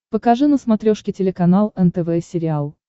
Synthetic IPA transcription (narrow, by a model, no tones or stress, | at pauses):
pəkɐʐɨnəsmɐt̪ɾʲoʂkʲɪtʲɪlʲɪkɐnalˠɛnt̪ɛvɛsʲɪɾʲɪalˠ